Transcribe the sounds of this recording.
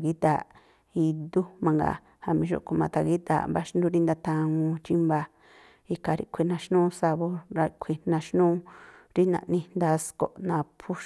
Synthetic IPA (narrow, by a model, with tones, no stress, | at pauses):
ɡi˦d̪a˨ | i˧d̪u˦mã˧ŋɡa̰˨ | ha˧mĩ˧ʃṵ˦ʔku˧mã˧t̪a˧ɡi˦d̪a̰˨mba˦ʃnd̪ũ˦ɾi˦nd̪a˧t̪ã˧ŋũ˧t͡ʃi˦mba˧ | i˧ka˨˧ɾḭ˧ʔkʷʰi˧nã˧ʃnũ˦sa˧βo˧ɾa˧kʷʰi˧nã˧ʃnũ˦ɾi˦nã̰˧˨nĩ˦˧nd̪a˧sko̰˨ʔnã˧pʰu˦ʃ